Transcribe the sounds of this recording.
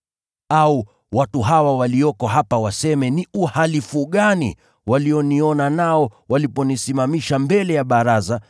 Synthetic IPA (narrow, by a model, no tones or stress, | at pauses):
au | watuɦawawaliɔkɔɦapawasɛmɛniuhalifuɠanḭ | waliɔniɔnanaɔwalipɔnisimamiʃambɛlɛjaɓaɾaza